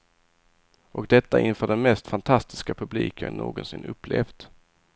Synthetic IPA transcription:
ʔɔkd̪ɛt̪ːaʔɪnfœːɖɛnmɛst̪fant̪ʰast̪ɪ̥skapʰɵbliːkʰənːo̰ːɡɔnsɪnːɵpːleːfd̪

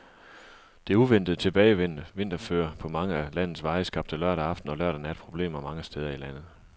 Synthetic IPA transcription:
d̥e̝ɐuʋen̰d̥ð̩ˠt͡sʰe̝b̥ɛːɪʋen̰ʋe̝n̰d̥ɐfø̰ːɐpʰɒ̽mɑ̈ŋəælæn̰ð̩ˠsʋɑ̈ɪəsɡ̥ɑ̈b̥̚d̥əlɶɐ̰ɾæɑ̈fd̥n̩ɒ̽lɶɐ̰ɾ̥ænæɐed̥̚pʰʁo̝b̥le̝̰ːmɐmɑ̈ŋəsd̥eːð̞ˠɐilæn̰ð̞̩ˠ

